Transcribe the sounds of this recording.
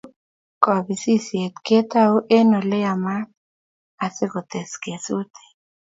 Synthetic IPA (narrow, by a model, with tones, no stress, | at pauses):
kɔ˨bi˨si˦sje˨t̪ke˦t̪a˦o˦ʔe˦no˨le˦a˨ma˦ | a˨sɪ˦ko˨t̪e˨ske˨su˦t̪ʰe̥˨